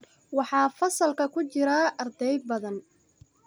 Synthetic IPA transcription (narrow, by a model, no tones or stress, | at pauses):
wɑħɑːfɐsɐlkʰɐkʰʊt͡ʃɪɾaʔɐrd̪ɛjd̪̚bɐðɐn